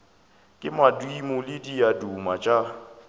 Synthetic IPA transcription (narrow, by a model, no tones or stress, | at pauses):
kʼɪmadwimʊlɪdiadumat͡ʃʼa